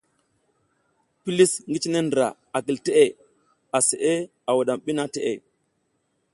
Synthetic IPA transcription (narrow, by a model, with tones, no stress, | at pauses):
pi˦li˦sŋɡi˦t͡ʃi˦ne˦ndɾa̰˨ | a˨ki˨lte˦ʔe˨ | a˨se˨ʔe˦ | a˨wa˨ɗa˨mɓi˦na˦te˦ʔe˦˨